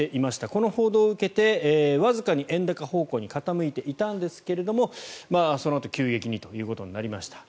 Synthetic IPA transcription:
eʔimaɕi̥t̪ako̞no̞ho̞ːd̪o̞ːɯ̟ke̞t̪e̞ːβazɨkaɲ̟iʔẽ̞nd̪akaho̞ːko̞ːɲ̟ikat̪amɯ̟it̪e̞ʔit̪ãnd̪e̞sɨ̥ke̞ɾe̞d̪o̞mo̞maːso̞no̞at̪o̞̥kʲɨːɡe̞kʲiɲ̟it̪o̞jɯ̟ːko̞t̪o̞ɲnaɾʲimaɕi̥t̪ḁ

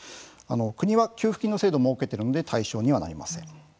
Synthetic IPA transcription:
ano̞kɯ̟ɲ̟iβakʲɨːɸɯ̟̥kʲĩnːo̞se̞ːd̪o̞moːke̞t̪e̞ɾɯ̟no̞d̪e̞t̪ʰaiɕo̞ːɲ̟iβana̰ɾʲima̰sẽ̞̰ɴ

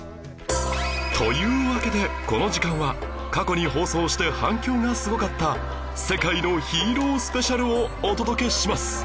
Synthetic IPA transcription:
t̪ʰo̞jɯ̟ːβake̞d̪e̞ko̞no̞ʑikãɰ̃βakako̞ɲ̟iho̞ːso̞ːɕi̥t̪e̞hãŋkʲo̞ːŋasɨɡo̞kat̪ːa | se̞kaino̞çiːɾo̞ːsɨ̥pe̞ɕaɾɯ̟oːt̪o̞d̪o̞ke̞ɕimasɨ̥

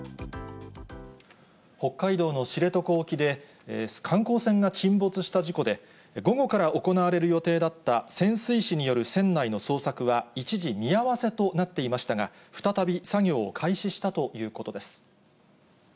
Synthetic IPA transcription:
ho̞kːaid̪o̞ːno̞ɕiɾe̞t̪o̞ko̞ːkʲid̪e̞ | kʰãŋko̞ːsẽ̞ŋɡat͡ɕĩmbo̞t͡sɨɕi̥t̪aʑiko̞d̪e̞ | ɡo̞ɡo̞kaɾaʔo̞ko̞naβaɾe̞ɾɯ̟jo̞t̪e̞ːd̪at̪ːasẽ̞ɰ̃sɨiɕiɲ̟ijo̞ɾɯ̟sẽ̞nːaino̞so̞ːsakɯ̟βait͡ɕiʑimʲiaβase̞t̪o̞nat̪ːe̞imaɕi̥t̪aɡa | ɸɯ̟̥t̪at̪abʲisaɡʲo̞̰ːkʰaiɕiɕi̥t̪at̪o̞jɯ̟ːko̞t̪o̞d̪e̞sɨ̥

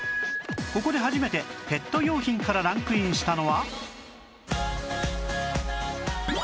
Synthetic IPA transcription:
ko̞ko̞d̪e̞ɦaʑime̞t̪e̞pe̞t̪ːo̞jʲo̞ːçĩŋkaɾaɾãŋkɯ̟ĩɲ̃ɕi̥t̪ano̞βa

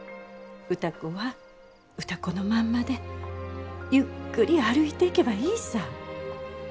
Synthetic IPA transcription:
ɯ̟t̪akoβa | ɯ̟t̪akono̞mãmːad̪e̞ | jɯkːɯɾʲiaɾɯ̟it̪e̞ike̞baiːsa

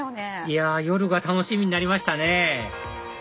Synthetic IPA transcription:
iajo̞ɾɯ̟ɡat̪ano̞ɕimʲiɲ̟inaɾʲimaɕi̥t̪ane̞

